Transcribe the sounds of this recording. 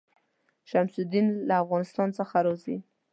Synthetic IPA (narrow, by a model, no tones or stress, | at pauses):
ʃamsud̪inlaːfɣɑnɪst̪ɑnt͡səxaɾɑzi